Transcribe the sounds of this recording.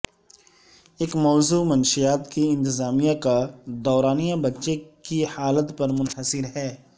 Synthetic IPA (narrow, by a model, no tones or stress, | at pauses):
ɪkmɔːzuːmɐnʃijaːt̪kiɪ̃nt̪ɪzaːmijãkad̪ɔːɾaːnijãbɐtːʃekihaːlət̪pɐɾmʊnɦəsɪɾɦɛː